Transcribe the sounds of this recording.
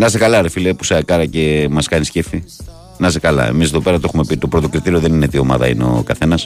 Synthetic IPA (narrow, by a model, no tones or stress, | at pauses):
nɐsekɐlɐɾefilepu̥sɐkɐɾɐce̞mɐskɐniscefi | nɐsekɐlɐ̰ḛmiseðope̞ɾɐt̪o̞xume̞pit̪o̞pɾo̞t̪o̞kɾit̪iɾio̞ðe̞ninet̪io̞mɐ̰ðɐ̰ḭneo̞̰kɐθe̞nɐs